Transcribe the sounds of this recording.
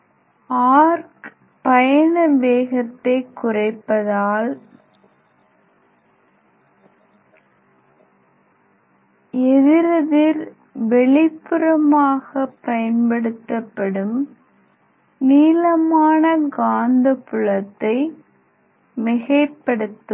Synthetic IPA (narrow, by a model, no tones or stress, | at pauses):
aːɾk | pɐjɐnɐʋeːɣɐt̪ːɐɪkːʊrɐɪpːɐðaːl | ɛðɪɾɐðɪɾ | ʋɛɭɪpːɯɾɐmaːɣɐpːɐjɐnpɐɽɯt̪ːɐpːɐɽɯm | niːlɐmaːnɐɡaːnd̪ɐpːʊɭɐt̪ːɐɪ | mɪɣɐɪpːɐɽɯt̪ːɯm